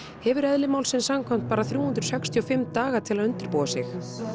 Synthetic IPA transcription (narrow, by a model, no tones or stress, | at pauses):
hɛvʏɾɛðlɪmawlsɪnsamkʰam̥t̪̚paːɾaθɾjuːhund̪ɾ̥sɛkst̪ʰiɔfɪmt̪aːɣat̪ʰɪlaðʏnt̪ɪɾpowðasɪ̰x